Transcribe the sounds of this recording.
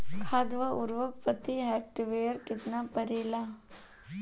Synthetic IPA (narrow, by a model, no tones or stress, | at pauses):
kʰaːd̪ʋəʔʊɾʋəkpət̪iɦɛːʈʋeːɾkɪt̪napɐɾeːla